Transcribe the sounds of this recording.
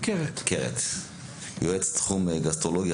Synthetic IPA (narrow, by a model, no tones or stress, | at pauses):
keʁekeʁḛt̪ | joet͡st̪χumɡast̪ʁoloɡi